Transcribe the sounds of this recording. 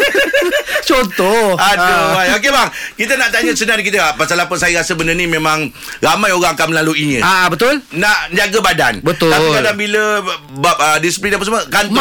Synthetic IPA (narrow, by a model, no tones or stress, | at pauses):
t͡ʃont̪ɔadoajok̬ebaŋkit̪̬ənaʔt̪aɲə̃sənank̬it̪əpasalapəsajəɾasəbəndənĩmẽmãŋ | ɾamãjoɾaŋakanməlaluiɲə̰̃abət̪ʊlnaʔɲd͡ʒaɡabada̰nbətt̪ʊailkadabiləbap̚ədisi̥plinap̬asməkant̪